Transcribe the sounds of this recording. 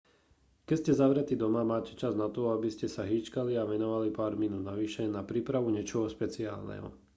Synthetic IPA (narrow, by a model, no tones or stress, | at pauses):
kɛscɛzaʋɾɛt̪iːd̪ɔmamaːcɛt͡ʃaznat̪ɔabiscɛsaɦiːt͡ʃkaliaʋɛnɔʋalipaːɾminuːd̪naʋiʃɛnapɾiːpɾaʋuɲɛt͡ʃɔɦɔspɛt͡sia̰ːlnɛ̰ɦɔ̰